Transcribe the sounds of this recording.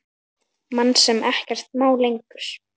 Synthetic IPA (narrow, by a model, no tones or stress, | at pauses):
manːsɛmɛhcɛr̥t̪̚maːwlejŋkʏɾ̥